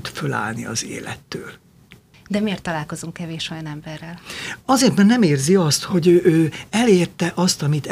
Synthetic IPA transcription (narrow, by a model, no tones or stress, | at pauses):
t̪føla̰ːlnḭɒ̰zḛːlɛ̰t̪ːø̰ːl | d̪ɛmeːrt̪ːɒlaːlko̞zuŋkːɛveːʃo̞jɒnɛmbɛrːɛlɒzeːrt̪mɛːrnɛmeːrziɒst̪ho̞ɟøʔøːɛleːrt̪ɛʔɒst̪ɒmit̪